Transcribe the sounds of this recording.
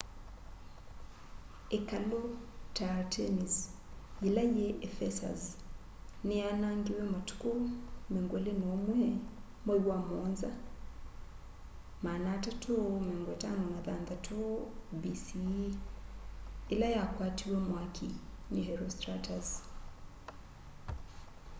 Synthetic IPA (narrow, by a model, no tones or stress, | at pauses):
ekalɔtatʰɛnizilajɛʔɛfɛsa̰z | nianaŋɡiwɛmatu̥kumɛŋɡwɛlenɔmwɛ | mwɛiwamɔnza | manatatʰomɛŋɡɛtanɔnaðanðatʰobisi | elajakwatiwɛmwakʰiɲɛɦɛɾɔstɾatʰaz